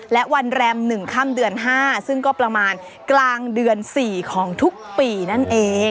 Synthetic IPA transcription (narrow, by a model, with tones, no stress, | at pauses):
lɛ˦˥ʔwa˧nɾɛː˧mnɯ˨˩ŋkʰa˥˩mdɯ˧ənɦaː˥˩sɯ˥˩ŋkɔː˥˩pɾa˧maː˧n | klaː˧ŋdɯ˧ənsiː˨˩kʰɔː˩˦ŋt̪ʰu˦˥k̚piː˨˩na˦˥˩nʔeː˧˩